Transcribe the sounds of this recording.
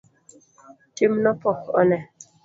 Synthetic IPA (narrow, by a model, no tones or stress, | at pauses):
timnɔpɔkɔ̰nɛ